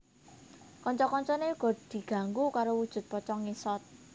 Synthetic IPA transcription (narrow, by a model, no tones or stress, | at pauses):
kɔɲt͡ʃɔkɔɲt͡ʃɔneuɡ̥ɔ̤d̪̥i̤ɡ̥a̤ŋɡokaɾowud̥ʒ̥ʊ̤t̪̚pɔt͡ʃɔŋisɔt̪̚